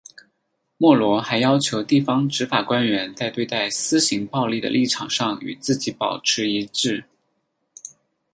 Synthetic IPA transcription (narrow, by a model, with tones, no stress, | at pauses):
mwɔ˥˩lwɔ˧˥xa˧˥ɪjɑ˥ʊt͡ɕʰjo˧˥ʊt̪i˥˩fɑ˥ŋʈ͡ʂɻ̩˧˥fa˨˩kwa˥nɥɛ˧˥nt͡sa˥˧ɪt̪we˥˧ɪt̪a˥˩ɪsɹ̩˥ɕi˧˥ŋpɑ˥˧ʊli˥˩d̪ə̰˩lʔi˥˩ʈ͡ʂʰɑ̰˨˩ŋʂɑ˥˩ŋy̰˨˩t͡sɹ̩˥˩t͡ɕi˧˥pɑ˨˩ʊʈ͡ʂʰɻ̩˧˥i˧˥ʈ͡ʂɻ̩˥˩